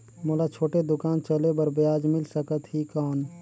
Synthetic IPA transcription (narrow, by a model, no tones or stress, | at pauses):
molat͡ʃʰoːʈed̪ʊkaːnt͡ʃəlebəɾbjaːd͡ʒmɪlsəkət̪ɦikɔːn